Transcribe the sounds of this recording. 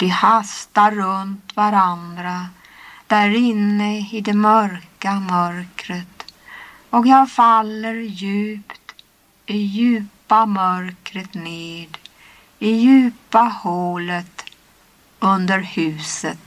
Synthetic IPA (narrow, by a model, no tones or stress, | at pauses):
vɪhast̪aɾːɵnt̪vaɾand̪ɾa | d̪̥æɾɪnːəɪd̪ɛmœɾkamœɾkɾət̪ | ɔkjɑːɡfalːəɾjʉ̟ːpt̪ | ɪjʉ̟ːpamœɾkɾət̪neːd̪ | ɪjʉ̟ːpahoːlət̪ | ɵnd̪əɾhʉ̟ːsət̪